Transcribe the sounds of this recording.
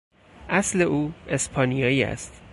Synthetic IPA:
ʔæsle̞ʔuːe̞spʰɒːnijɒːjiːæ̰st̪

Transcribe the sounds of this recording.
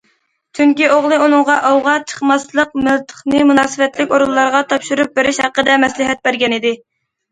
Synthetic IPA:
t͡ʃʰyŋkʲioʁlˠɨunɨŋʁɑʔɑwʁɑt͡ʃʰə̥χmɑslˠəq̚mɪlt̪ʰə̥χnɨmunɑːsɨvɛt̪lɪkʲoɾulˠːɑɾʁɑt̪ʰɑpʃuɾup̚beɾɪʃhæqːəd̪ɛmɛslɪɦɛt̪̚bæɾɡʲɛnɪd̪ɪ

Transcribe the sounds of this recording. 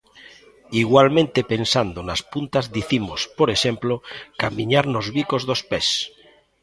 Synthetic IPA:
iɣwalmẽnt̪epensand̪onaspunt̪azðiθimospoɾeʃemplokamĩɲaɾnozβikozðospes

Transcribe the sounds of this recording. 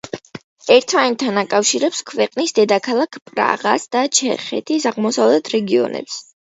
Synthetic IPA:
ɛɾt̪ʰant̪ʰːanakʼafʃiɾɛpskʰvɛqʼnisd̪ɛd̪akʰalˠakʰpʼɾa̰ʁasd̪̥at͡ʃʰɛ̰χɛ̰t̪ʰisaʁmɔsavlɛt̪ʰɾɛɡiɔ̰nɛ̰ps

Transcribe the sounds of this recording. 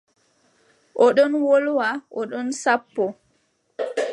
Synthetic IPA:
ʔɔɗɔnwolwaʔɔɗɔnsapːɔ

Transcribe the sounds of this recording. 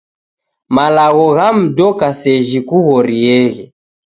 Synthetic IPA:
malaɣɔɣam̩dɔkasɛʒikuɣɔɾiɛɣɛ

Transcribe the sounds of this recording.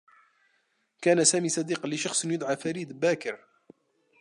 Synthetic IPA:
kaːnasaːmiːsˤɑd̪iːqlɪʃɑxsˤnjʊd̪ˤʕɑfaɾiːd̪baːkɪɾ

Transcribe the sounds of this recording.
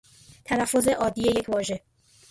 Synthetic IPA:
t̪ʰælæfːo̞ze̞ʔɒːd̪ije̞je̞cʰvɒːʒe̞

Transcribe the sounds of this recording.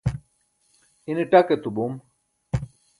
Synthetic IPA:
ineʈaket̪ubum

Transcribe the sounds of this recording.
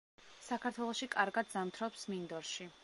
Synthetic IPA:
sakʰaɾt̪ʰwɛlˠɔʃikʼaɾɡad̪zamt̪ʰɾɔpsmind̪ɔɾʃi

